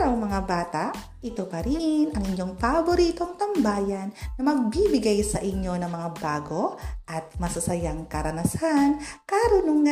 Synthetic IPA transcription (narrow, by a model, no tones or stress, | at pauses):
ɾɐwŋmɐŋabaːt̪aʔ | ʔɪt̪o̞pɐɾɪnʔɐŋʔɪɲjo̞ŋpɐboɾiːt̪o̞ŋt̪ɐmbaːjɐnːɐmɐɡ̚bibɪɡajsɐʔɪɲjo̞nɐŋmɐŋabaːɡo̞ʔɐt̪̚mɐsɐsɐjaŋkɐɾɐnɐsankaɾʊnoŋːɐ